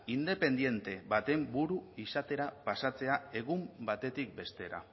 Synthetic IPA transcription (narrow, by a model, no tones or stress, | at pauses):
ind̪e̞pe̞nd̪je̞nt̪e̞βat̪e̞mbuɾuisat̪e̞ɾapasat͡se̞ae̞ɣ̞umbat̪e̞t̪ik̚be̞st̪e̞ɾa̰